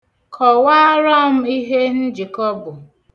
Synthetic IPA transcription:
kʰɔ˨waː˦ɾɔ˦m̩˦i˦ɦe˦n̩˦d͡ʒi˨kɔ˦bʊ˨

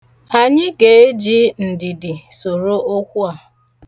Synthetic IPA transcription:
a˨ɲɪ˦ke˨e˦d͡ʒi˦n̩˨dɪ˨dɪ˨so˨ɾo˦o˦kʷʊ˦a˨

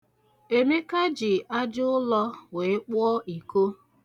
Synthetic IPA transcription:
e˨me˦ka˦d͡ʒɪ˨ʔa˦d͡ʒʊ˦ʊ˦lɔ˦we˨ɪ˦k͡pɔ˦ʔi˨ko˦

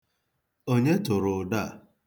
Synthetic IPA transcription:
o˦ɲe˦tʊ˨ɾʊ˨da˦˨

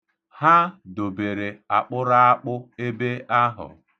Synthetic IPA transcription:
ha˦do˨be˨ɾe˨a˨k͡pʊ˦ɾa˦a˦k͡pʊ˦e˦be˦a˦ɦʊ̰˨

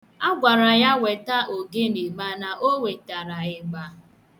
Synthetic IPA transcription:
a˦ɡʷa˨ɾa˨ja˦we˨ta˦ʔo˨ɡe˦ne˨ma˦na˨ʔo˦we˨ta˨ɾa˨ɪ˨ɡ͡ba˦

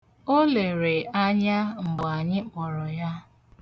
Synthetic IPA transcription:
o˦le˨ɾe˨ʔa˦ɲa˦ŋ͡m̩˨ɡ͡ba˨ɲɪ˦k͡pɔ˨ɾɔ˨ja˦

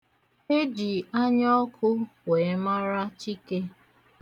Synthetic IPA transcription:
e˦d͡ʒi˨a˦ɲɔ˦kʰʊ˦we˨˦ma˦ɾa˦t͡ʃi˦ke˦

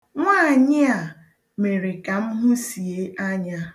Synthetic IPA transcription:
ŋʷaː˦˨ɲɪ˦a˨ | me˨ɾe˨ka˨m̩˦ɦʊ˦si˨e˦a˦ɲa˦

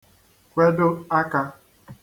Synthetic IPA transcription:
kʷe˦dʊ˦a˦ka˦

